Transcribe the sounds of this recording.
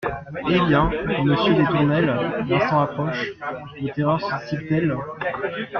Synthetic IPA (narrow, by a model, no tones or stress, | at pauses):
ebjɛ̃məsjød̪et̪uʁnɛlvɛ̃sɑ̃apχɔʃ | ot̪eʁœʁsd̪isip̚d̪ɛl